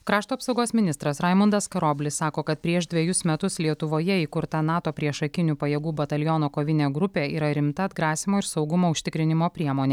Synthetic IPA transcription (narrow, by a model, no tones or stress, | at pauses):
kɾɑːʃt̪uɐpsɒʊɡoːsmʲɪnʲɪst̪ɾɐsɾɑɪmʊnd̪ɐskɐɾoːbʲlʲɪsːɑːkoːkɐt̪̚pʲɾʲiɛʃd̪ʲʋʲiɛjʊsmʲɛt̪ʊslʲiɛt̪ʊʋoːjɛiːkʊɾt̪ɐnɑːt̪oːpʲɾʲiɛʃɐkʲɪnʲuːpɐjɛːɡuːbɐt̪ɐlʲjɔːnoːkoːʋʲɪnʲeːɡɾʊpʲeːiːɾɐɾʲɪmt̪ɐɐd̪ɡɾɑːsʲɪmoːɪɾsɒʊɡʊmoːʊʃʲt̪ʲɪkɾʲɪnʲɪmoːpʲɾʲiɛmoːnʲeː